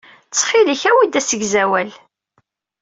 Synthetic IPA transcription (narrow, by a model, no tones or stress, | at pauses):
t͡sːχiliçæwid̪æsəɡzæwæl